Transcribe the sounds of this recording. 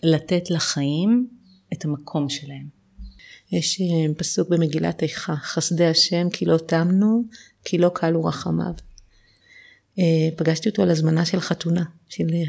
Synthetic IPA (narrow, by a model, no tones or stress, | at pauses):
latetlaχajim | etamɐkʰo̞mʃelahe̞m | jeʃepasuk̚be̞me̞ɡila̰tejχaχasdeaʃe̞mkʰilo̞tamnu | kʰilo̞kʰaluʁaχama̰v | epaɡaʃtio̞toalazmanaʃelχatunaʃel